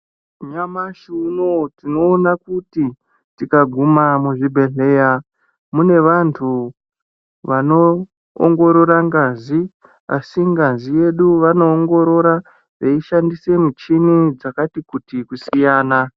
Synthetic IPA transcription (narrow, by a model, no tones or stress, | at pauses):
ɲamaʃunotino̞ːnakuti | tikaɡʱumamuʐibʱe̞ɮe̞ːja | mune̞ʋantʰu | ʋano̞ | o̰ŋɡo̞ɾoɾaŋɡazi | a̰siŋɡazije̞ɗuʋano̞ːŋɡo̞ɾo̞ɾa | ʐeiʃandise̞mit͡ʃinid͡zakatikutikusijaːna